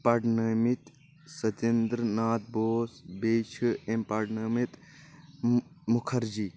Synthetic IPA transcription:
paɖnəmit̪ | sɐt̪end̪ɾnaːt̪̚boːsbeːt͡ʃʰɨempaɖnɐmit̪ | mukʰɐɾd͡ʒi

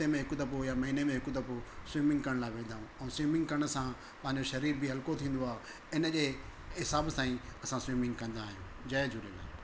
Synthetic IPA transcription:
temẽɦɪkʊt̪ɐpojamɐɦiːnemẽɦɪkut̪̬ɐposwiːmɪ̃ŋɡkɐɾəɽ̃laːɪʋẽːd̪ʱaːɦũɛ̃ːswiːmɪ̃ŋɡkɐɾəɽ̃əsã | pɐ̃ɦɪ̃ɲ̆d͡ʑoʃɐɾiːɾbɪɦɐlkot̪ʰĩːn̆d̪oaːɦ | ɪnə̆d͡ʑeːɦɪsaːbsãːĩɐsãswiːmɪ̃ŋɡkɐ̃nd̪aːɦijũː | d͡ʑɐːd͡ʑʊɾelaːɦ

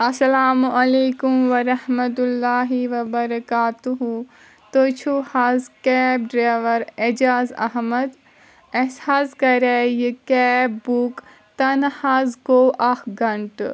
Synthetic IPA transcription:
ɐsɐlaːmɐleːkumʋɐɾɐhmɐt̪ulːaːɦiʋɐbɐɾɐkaːt̪uɦu | t̪ot͡ʃʰuhazkɛːp̚ɖɾaːʋɐɾed͡ʒaːzɐ̰ɦmɐd̪ | esaːskɐɾejikɛːbbuːk | t̪ɐnhaːzkoːʔɐkʰɡɐɳʈ

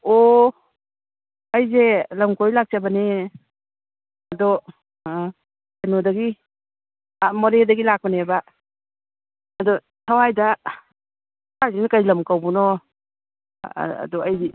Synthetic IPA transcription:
ɔ | ɐjzelɐmkojlak̚t͡ʃabane | ɐdɔ | anɔdaɡi | amɔɾedaɡilak̚paneba | dɔ | tʰawajda | ajzenakajlɐmkawbunɔ | dɔaji

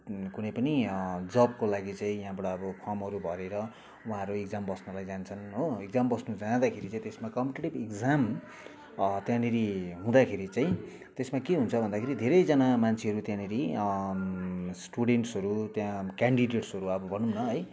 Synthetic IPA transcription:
kunʌjpʌnid͡zʌbkolaɡit͡saĩjaɦãbʌʈaːbʌpʰʌmɦʌɾubʱʌɾeɾʌ | uɦãɾueɡd͡zambʌsnulajd͡zant͡sʰʌnɦoeɡ̚d͡zambʌsnud͡zãd̪akʰeɾit͡sãĩt̪esmakʌmpeʈeʈibekd͡zam | t̪jãniɾiɦũd̪akʰeɾit͡saĩ | t̪esmakeɦunt͡sʰʌbʱʌnd̪akʰeɾid̪ʱeɾʌjd͡zʌnamant͡sʰeʌɾut̪jãniɾi | sʈuɽeɳʈsɦʌɾut̪jãkaɳɖiɖeʈsɦʌɾuʌbʌbʱʌnumnʌɦʌj

